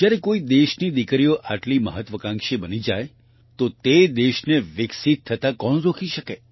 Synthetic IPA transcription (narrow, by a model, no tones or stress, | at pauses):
d͡ʒjaɾekoid̪eʃnid̪ikɾijoʔaʈlimə̰ɦət̪ʋəkãŋkʃebənid͡ʒaj | t̪ot̪ed̪eʃneʋɪksit̪ʰːət̪akɔñɾokʰiʃəke